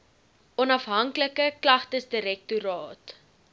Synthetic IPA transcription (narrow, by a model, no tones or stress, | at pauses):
ʔɔnɐfɦɐŋkləkəklɐχtəsdiɾɛk̚tuɾɑːt